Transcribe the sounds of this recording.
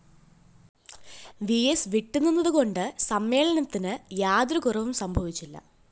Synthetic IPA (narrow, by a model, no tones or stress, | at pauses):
ʋiesʋiʈːunːunːɐðuɣo̞ɳɖɨsɐmːe̞ːɭɐnɐt̪ːinɨjaːd̪rɐkurɐʋumsɐmbʱɐʋit͡ɕːilːɐ̰